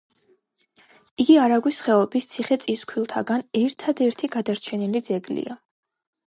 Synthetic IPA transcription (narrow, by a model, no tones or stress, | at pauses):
iɡiaɾaɡwisχɛɔbist̪sʰiχɛt̪sʼiskʰwilˠt̪ʰaɡanɛɾt̪ʰad̪ɛɾt̪ʰiɡad̪aɾt͡ʃʰɛnilid̪zɛɡlḭa